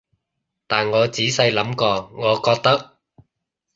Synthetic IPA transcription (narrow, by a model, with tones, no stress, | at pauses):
t̪aː˨nŋɔː˨˧t͡siː˨˥sɐ˧jlɐ˨˥mkɔː˧ŋɔː˨˧kɔː˧k̚t̪ɐ˥k̚